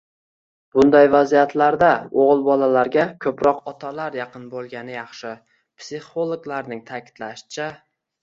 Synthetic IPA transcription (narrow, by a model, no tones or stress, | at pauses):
b̥ʊnd̪ajvazijat̪laɾd̪aoʁɨlˠbɒlalaɾɡʲakʲʰɵpɾɒqɒt̪ʰalaɾjɑqɨnbolˠɡʲanɪjɑχʃɪ | pʰsɪχolˠoɡlaɾnɪŋt̪ʰakʲɪ̥d̪̥laʃɪ̥t͡ʃʰa